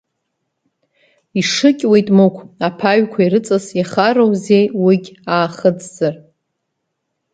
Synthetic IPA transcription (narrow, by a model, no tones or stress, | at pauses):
iʂɨkʲʼwejtʼmɨkʷʰapʰaɥkʷʰaiɾɨt͡sʼasiχaɾowzejwiɡʲaːχəd͡zzɨr